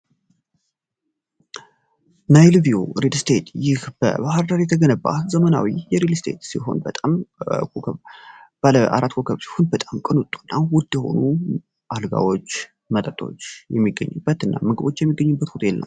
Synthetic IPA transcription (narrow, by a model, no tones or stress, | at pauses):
najlvioɾedst̪ʰet̪jɪhb̥ə̰bahaɾd̪aɾjɛt̪ʰəɡənəba̰zəməna̰wijɛɾelst̪ʰe̞̰t̪siɦo̞̰nbət̪ʼamokəbləʔa̰ɾat̪ːkʰokʰəβsi̥ho̞nbət̪ʼamkʼɨnut̪ʼu̥nːawʊd̪jɛho̞̰nu | ʔalɡa̰wo̞t͡ʃː | mət̪ʼət̪ʼo̞̰t͡ʃːjɛmːiɡːə̰ɲːɨbːət̪ɨnːamɨɡɨβo̞t͡ʃːjɛmːiɡːəɲːɨbːət̪hut̪ʼjɛlnə̰m